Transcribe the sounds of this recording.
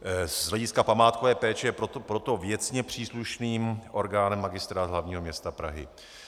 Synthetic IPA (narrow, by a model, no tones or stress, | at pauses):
ɦlɛɟɪskapamaːt̪kovɛːpɛːt͡ʃɛjɛpɾot̪pɾo̞t̪o̞vjɛt͡sɲɛpr̝̥iːsluʃniːmʔo̞ɾɡaːnɛmːaɡɪst̪ɾaːt̪ɦlavɲiːɦomɲɛst̪apɾa̰ɦɪ̰